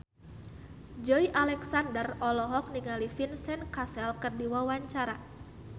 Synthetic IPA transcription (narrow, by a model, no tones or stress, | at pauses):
d͡ʒɔjʔalɛksandərɔlɔɦɔk̚niŋalifinsɛnkasɛlkərdiwawaɲt͡ʃaɾa